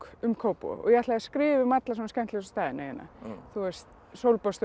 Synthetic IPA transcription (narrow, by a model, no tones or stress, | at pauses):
kʏmkʰowpɔ̰ɔ̰jaht̪laaskɾɪːvɪmat̪lasɔnascɛm̥t̪ɪsɔ̥st̪aːðɪneːjʏ̰na̰θuɛst̪ | sowlpast̪